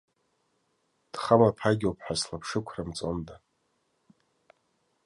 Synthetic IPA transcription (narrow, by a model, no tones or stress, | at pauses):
d̥χamapʰaɡʲowpʰħaslapʰʂɨkʷʰramt͡sʼonda